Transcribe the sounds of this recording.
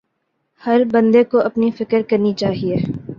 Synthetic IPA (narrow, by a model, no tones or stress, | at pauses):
hɐɾbɐ̃nd̪ekoʔɐpnifɪkəɾkɐɾnit͡ʃaːɦieː